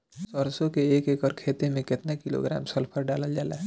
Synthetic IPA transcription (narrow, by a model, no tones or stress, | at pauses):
sɔːɾsõkeeːkekɔɾkʰeːt̪emẽkɪt̪nakɪlo̰ɡɾa̰ːmsəlpʰəɾɖaːləld͡ʒaːlaː